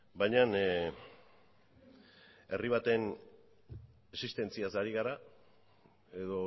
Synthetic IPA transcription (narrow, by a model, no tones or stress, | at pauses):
bajɲan | e̞riβ̞at̪e̞n | esist̪e̞nt͡siasaɾiɣaɾa | e̞ðo̞